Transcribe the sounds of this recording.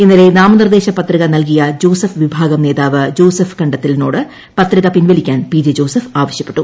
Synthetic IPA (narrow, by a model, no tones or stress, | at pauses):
enːɐle̞naːmɐnird̪e̞ːɕɐpɐt̪riɣɐnɐlk̬ijɐd͡ʑo̞ːsɐfʋibʱaːɡɐmne̞ːðaːʋɨd͡ʑo̞ːsɐfkɐɳɖɐt̪ːilno̞ːɽɨ | pɐt̪riɣɐpinʋɐlikʲːaːnpid͡ʑed͡ʑo̞ːsɐfaːʋɐɕjɐpːe̥ʈːu